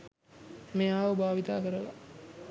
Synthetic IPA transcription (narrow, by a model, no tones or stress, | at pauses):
meːaːʋəbaːʋit̪aːkəɾəla̰